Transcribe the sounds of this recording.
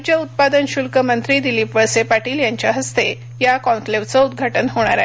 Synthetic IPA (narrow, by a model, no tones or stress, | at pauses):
t͡ɕjəut̪̚pad̪ənɕulkəmənt̪ɾiːd̪iliːpʋəsepaʈiːljaɲt͡ɕjaɦəst̪e | jakɔ̃nfleʋt͡səud̪̚ɡʱaʈənɦoɽ̃aɾa